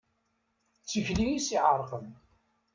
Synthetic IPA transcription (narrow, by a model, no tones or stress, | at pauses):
t͡sːiçlijisiʕəɾˤqəm